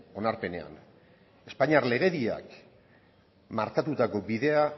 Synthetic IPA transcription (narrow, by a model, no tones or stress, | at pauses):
o̞naɾpe̞ne̞a̰n | e̞spaɲiaɾle̞ɣ̞e̞ðia̰k | maɾkat̪ut̪ako̞biðe̞a